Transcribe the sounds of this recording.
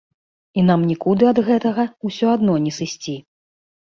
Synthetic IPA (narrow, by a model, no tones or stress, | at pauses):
inamnʲikud̪ɨɐd̪ɣɛt̪ɐɣɐusʲɔad̪nɔnʲɛsɨsʲt͡sʲi